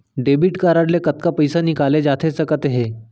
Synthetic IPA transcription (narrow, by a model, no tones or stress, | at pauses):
ɖebiʈkaɾaɽlekət̪kapəjsanikaled͡ʑat̪ʰesəkət̪ɦe